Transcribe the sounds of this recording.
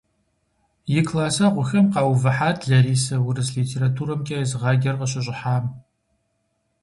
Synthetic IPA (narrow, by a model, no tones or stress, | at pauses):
jɪkʰlaːsaʁʷʊxɐmqɑːwvɐħaːtʰʼɮɐriːsɐwʊrɨzɮiːtʰeːɾatʰuːɾɐmkʲʼɐzʁɑɡʲɐrqəɕɪɕ̬ʼɪħaːm